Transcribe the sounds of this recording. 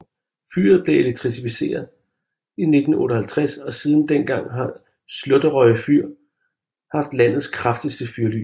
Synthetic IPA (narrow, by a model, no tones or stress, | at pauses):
fy̰ːɐð̞̩ˠb̥le̝eleɡ̥̚t͡sʰʁisifise̝̰ːɐð̩ˠ | ine̝d̥n̩ɔ̽ːɾəhælt͡sʰʁɛsɒ̽siːð̞ˠn̩d̥enɡ̥ɑ̈ŋ̰ɦɑ̈ | slɔ̽d̥əʁɒɪəfyɐ̰ | hɑ̈fd̥læn̰ð̞̩ˠskʰʁafd̥əsd̥əfyɐly̰